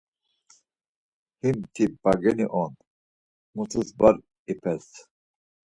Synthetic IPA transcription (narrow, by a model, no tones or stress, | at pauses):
himt̪ʰibaɡɛniʔɔn | mut̪ʰusbaɾ | ipʰɛs